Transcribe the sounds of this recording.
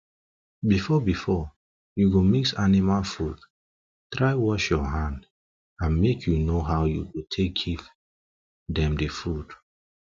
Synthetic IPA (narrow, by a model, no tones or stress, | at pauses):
bifɔbifɔ | juɡomiksanimalfud | tɹaɪwɔʃjɔɦãnd | ãnmekʰjunoɦaʊjuwotʰek̚ɡiv | dɛ̃mdefud̥